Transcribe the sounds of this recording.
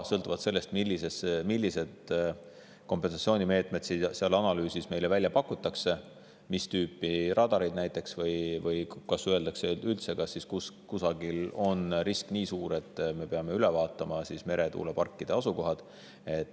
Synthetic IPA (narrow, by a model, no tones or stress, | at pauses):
sɤlt̪ːˑuvɑd̪se̞lːe̞st̪milːisesmilʲːise̞d̪̥ | ko̞mpːˑe̞ns̬ɑt̪sio̞ːnime̞ːt̪ˑmet̪siseɑlɑnɑlyːsisme̞jle̞vælʲjɑpɑkːˑut̪ːˑɑkse̞ | mist̪yːpːˑirʔɑd̪̥ɑɾijd̪næjt̪ːˑe̞ksvɤjvɤjkɑsyøe̞ld̪ɑkseylt̪se̞kɑsːiskuskusɑɡ̥ilo̞nriskniːsuːɾe̞t̪ːˑme̞pe̞ɑme̞ylevɑːt̪ːˑɑmɑsisme̞ɾe̞t̪ṵːlepɑrkˑːid̪̥e̞ɑsuko̞ɦɑd̪̥ | e̞t̪ːˑ